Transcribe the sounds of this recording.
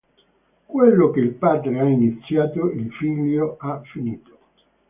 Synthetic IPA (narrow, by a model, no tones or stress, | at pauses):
kwelːokeilpaːd̪ɾeainit̪sːjaːt̪oilfiʎːoafːiniːt̪o̥